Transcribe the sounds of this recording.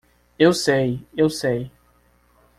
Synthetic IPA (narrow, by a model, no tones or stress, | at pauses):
ewsejewsej